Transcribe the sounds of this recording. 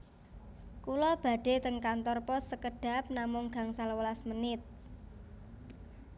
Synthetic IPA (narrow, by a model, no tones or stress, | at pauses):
kulɔb̥a̤ɖ̥e̤t̪əŋkant̪ɔrpɔsːəkəɖ̥a̤p̚namʊŋɡ̥a̤ŋsalwəlasmənɪt̪̚